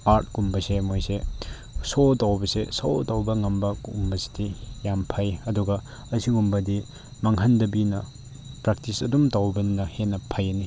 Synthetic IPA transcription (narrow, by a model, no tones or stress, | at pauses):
aɾt̚kumbɐsemojse | sotawbɐsesowtawbɐŋɐmbɐkumbɐsi̥dijampʰajɐduɡɐ | ɐsiɡumbɐdi | maŋɦɐndɐbinɐ | pɾak̚tisɐ̰dumtawbɐnnɐhenɐpʰajɐni